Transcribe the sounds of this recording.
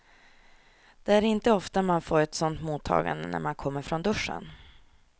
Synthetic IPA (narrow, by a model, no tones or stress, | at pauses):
d̪̥ɛæɾɪnt̪əɔft̪amanfoːɾɛt̪sɔnt̪muːt̪ʰːɑ̰ːɡa̰nd̪ənæ̰ɾmankʰɔmːəɾfɾɔnd̪ɵʂːə̰n